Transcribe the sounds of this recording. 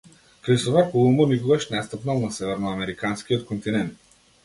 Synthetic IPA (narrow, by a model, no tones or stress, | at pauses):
kɾisovakolˠumuniɡuvɐʃnast̪əpnalˠnasɛvɛɾnoɐmɛɾikanskijot̪kont̪inɛnt̪